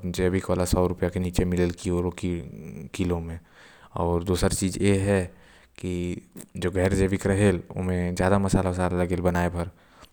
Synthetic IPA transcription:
d͡ʒeɐbʱikoːlasɔːɾʊpijakeniːt͡ʃemɪləlkioːɾok | kilõmẽ | ɔːɾd̪uːsəɾt͡ʃiːzjeɦɛ | kid͡ʒoːɡʱɛːɾd͡ʒeːʋɪkɾɐɦelʊ̰mẽd͡ʒjaːd̪amɐsaːlamɐsaːlalɐɡelbɐnaːepɐɾ

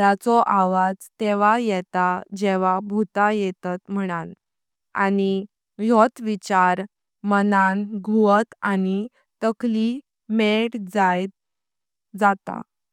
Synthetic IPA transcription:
at͡sɔʔaʋad͡zt̪eʋajɛt̪ad͡ʑeʋabʱut̪ajɛt̪at̪m̤əɽ̃an | a̰ni | jɔt̪ʋit͡ɕaɾ | mənanɡʱuət̪ani | t̪əkli | mɛʈd͡zajt̪̚ | d͡zat̪a̰

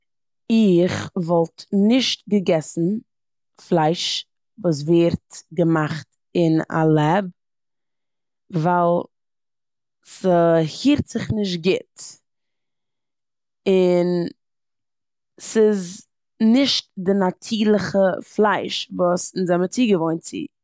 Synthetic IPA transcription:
ɪχvɔlˠtnɪʃt̚ɡəɡɛsn̩ | flˠaɪʃ | vuːs̬veːɾtɡəmaχt | ɪna̰lˠɛb̚ | vaɪlˠ | səhiːɾtz̥ɪχnɪʃ̬t̚ɡɪt | ɪn | sɪz | nɪʃt̚dɪnatʰiːlˠəχəflˠaɪʃvuːsɪnzamət͡siːɡəvɔɪnt͡sḭ

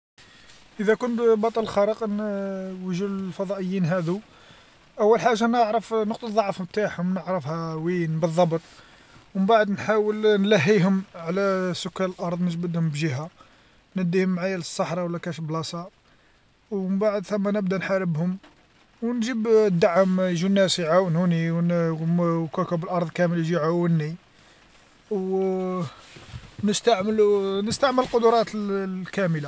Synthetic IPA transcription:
ʔəd̪ækʊnbɑt̪ˤɑllxɑɾˤəqnwəʒulfɑd̪ˤɑʔəjːinɦæd̪u | ʔæwːəlħaʒːanəʕɾˤəfnəqt̪uðˤɑʕfhmt̪aħhʊmnəʕɾəfhæwinbəðˤːɑbt̪ˤ | wəmbaʕəd̪nħawəlnlæɦːiɦʊmʕlæsʊkːæləlʔɑɾˤd̪ˤnəʒbəd̪hʊmbʒiɦæ | næd̪ːihʊmːʕajələsˤːɑħɾˤɑwəlːækæʃblɑsˤɑ | wməmbaʕəd̪θæmːænəbd̪ænħaɾəbhʊm | wnʒəbd̪ːaʕəmjʒunːæsiʕawnhuniwnmkækəbəlʔɑɾˤd̪ˤkæməlʒiʕawənːi | w | nəst̪aʕmlunəst̪aʕmələlqʊd̪ʊɾˤɑt̪lkæməla

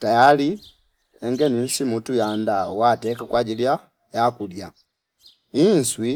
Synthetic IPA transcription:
tajali | ɛŋɡɛnin̩simutujandawatɛkakwaɟilja | jakulja | inswi

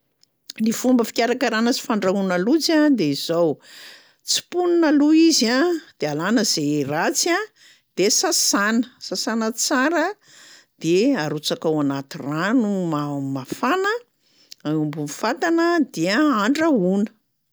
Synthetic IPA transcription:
nifumbəfi̥kʲaɾakaɾanət͡si̥faɳɖ͡ʐaunalut͡sad̪eiz̥ow | t͡si̥pununaluizad̪̥ealanəz̥erat͡sia | d̪̥esasanəsasanət͡saɾə | d̪̥eaɾut͡sakawanat̪iranumamafanə | aumbunifat̪anəd̪iəaɳɖ͡ʐaunə̥

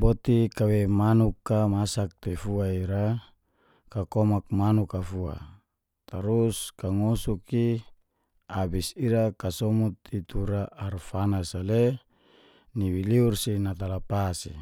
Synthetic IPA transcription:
bot̪ikawemanukːamasak̚t̪efuaiɾa | kakomak̚manukafua̰ | t̪aɾuskaŋosuki | abisiɾakasɔmut̪it̪ʰuɾaːrfanasale | niwiliursinat̪alapasḭ

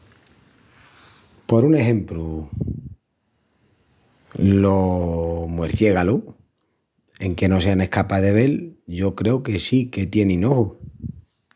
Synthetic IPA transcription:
po̞ɾune̞ɦẽ̞mpɾu | lo | mweɾθje̞ɣalu | e̞ŋke̞no̞se̞ane̞hkapaðe̞β̞e̞lʝo̞kɾe̞uke̞sike̞t̪je̞nĩnohu

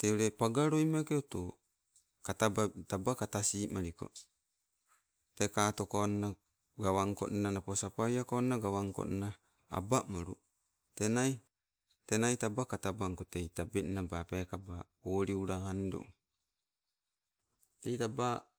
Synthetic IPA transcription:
t̪euɾepaɡaɾojmakeot̪o | katabatabakat̪asiːmaɾiko̰ | tekatokana | ɡawaŋko̰ʔnanaposapajakonaɡawaŋko̰ʔna | a̰bamoɾu | tenai | tenajtabakatabaŋkotejtabenabapekaba | oːɾiuɾaando̰ | tejtaba

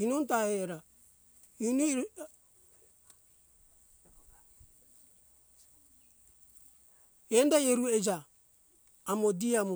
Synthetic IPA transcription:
inontaheɾa | in | endajeɾued͡ʒaː | modiamu

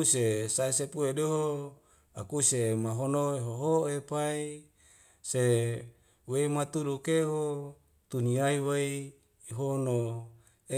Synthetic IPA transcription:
usesaisepuedeɦo | akusemaɦonoeɦoɦoepai | se | weimat̪udukeɦo | t̪uniaiwei | iɦono | e

